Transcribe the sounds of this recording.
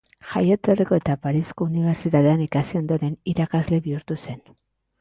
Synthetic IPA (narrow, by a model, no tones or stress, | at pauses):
ʝajot̪o̞riko̞e̞t̪apaɾisko̞uniβ̞e̞ɾt͡ʃit̪aðeanikasio̞nd̪o̞ɾe̞niɾakazle̞βiuɾt̪use̞n